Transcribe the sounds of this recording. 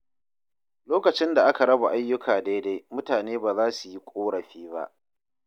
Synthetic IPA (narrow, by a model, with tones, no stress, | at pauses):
loː˦kɐ˨t͡ʃɪ˦nda˨ʔa˦ka˨ɽɐ˦ba˨ʔa˦jːʊ˦kʰaː˨da˦jda˦jmʊ˦taː˨neː˦baː˨zaː˦su˨ji˦kʷʼoː˦ɽɐ˨ɸiː˦ba̰˦ʔ